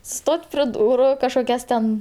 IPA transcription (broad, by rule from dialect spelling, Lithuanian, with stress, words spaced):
ˈstoːtʲ pʲrʲɛ ˈduːrʊ kɐʃkoːˈkʲɛs tʲɛn